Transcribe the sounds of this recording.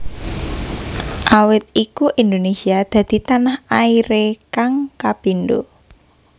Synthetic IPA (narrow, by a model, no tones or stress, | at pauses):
ʔawɪt̪̚ikuʔind̪onesiad̪̥ä̤d̪̥i̤t̪anahaiɾekaŋkab̥i̤nd̪o